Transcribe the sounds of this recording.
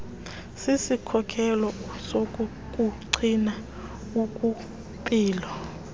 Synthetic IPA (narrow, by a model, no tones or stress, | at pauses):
sisikʰɔkʰɛlɔsok̬ʼu | k̬ʼuǀʰina | ukʼu | pʼiːlɔ